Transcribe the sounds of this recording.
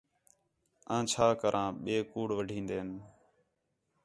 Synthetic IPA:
ãːt͡ʃʰaːkəɾʔãːɓeːkuːɽʋəɖʱĩːnd̪eːn

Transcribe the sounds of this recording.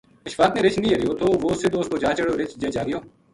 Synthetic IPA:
əʃfaːt̪neːɾɪt͡ʃʰnĩːɦəɾɪjoːt̪ʰoːʋoːsɪd̪oːskoːd͡ʒaːt͡ʃəɽoːɾɪt͡ʃd͡ʒeːd͡ʒaːɡɪjoː

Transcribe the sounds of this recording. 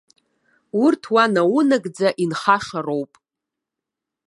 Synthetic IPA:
urtʰwanawʊnaɡʼd͡zaʔinχaʂaro̞wpʼ

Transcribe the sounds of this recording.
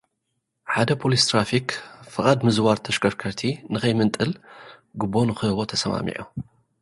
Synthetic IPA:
ħad̪ɐpʰolist̪ʰɾafikfɨχʼad̪mɨzwaɾt̪ʰɐʃkɐɾkʰɐɾt̪ʰinɨkɐjmɨnt̪ʼɨlɡɨbːonɨxɨhɨwo̞t̪ʰɐsɐma̰mḭʕu

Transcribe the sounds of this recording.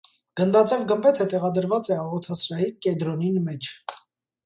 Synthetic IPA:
ɡ̥ənd̪ɑt͡sɛvɡəmbɛt̪ʰət̪ɛʁɑd̪əɾvɑt͡sɛɑʁɔt̪ʰɑsɾɑikɛd̪ɾɔninmɛt͡ʃʰ

